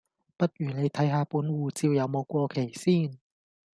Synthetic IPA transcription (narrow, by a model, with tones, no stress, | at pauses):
pa˧˩t̪̚ʔyː˨˩la˧˦t̪ʰa˧jɦaː˧pu˧˦nwuː˧t͡si˧˨wja˨˦wmɔː˧kwɔ˧kʰe˨˩siː˧˥˩n